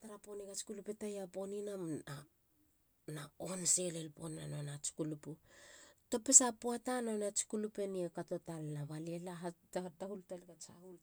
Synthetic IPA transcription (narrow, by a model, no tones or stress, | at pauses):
taɾapo̞nikat͡ʃi̥kulupetajapo̞ninama | naonse̞lelpo̞nːanonat͡ʃi̥kuluputo̞pe̞sapoatanonat͡ʃi̥kulupe̞niekato̞talnaβalielaɦatatahultalikat͡ʃahul